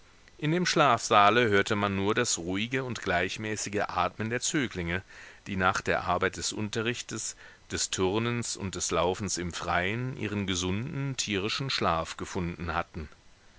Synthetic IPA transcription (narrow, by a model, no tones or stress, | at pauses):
ʔɪndeːmʃlaːfz̥aːləhøːɐtəmanːuːɐdasʁuːɪɡəʊntɡ̥laɪçmɛːsɪɡəʔaːtməndeːɐt͡syːklɪŋəd̥iːnaːχd̥eːɐʔa̰ɐbaɪt̚d̥ɛsʔʊ̰ntɐʁɪçtəs | d̥ɛstʰʊʁnənsʊ̰nt̚d̥ɛslaʊfn̩sɪmfʁ̥aɪənʔḭːʁ̞ənɡəzʊndn̩tʰiːʁ̞ɪʃn̩ʃlaːfɡ̥əfʊndn̩hatn̩